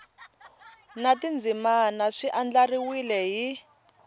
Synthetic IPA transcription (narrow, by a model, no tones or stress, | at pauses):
natind͡zimanaʂiʔand͡ɮariwilɛɦi